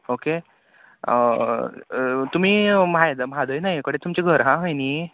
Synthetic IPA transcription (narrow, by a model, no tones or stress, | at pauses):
oke | ə̰ | t̪um̤iːmajd̪amad̪əjnaɦjkəɽet̪umt͡ɕeɡʱəɾɦãɦəjniː